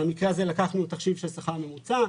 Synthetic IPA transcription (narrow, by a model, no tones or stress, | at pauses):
emikʁeazelakaχnut̪aχʃivʃesaχaʁme̞mut͡sa